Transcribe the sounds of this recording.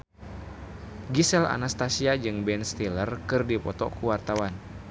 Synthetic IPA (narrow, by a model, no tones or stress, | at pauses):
ɡisɛla̰nast̪asiad͡ʒɨŋbɛnst̪ilərkɨrdipɔt̪ɔ̰kuwart̪awan